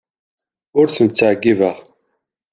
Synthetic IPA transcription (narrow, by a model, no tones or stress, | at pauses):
ʊɾθənt͡sːaʕɡːivəʁ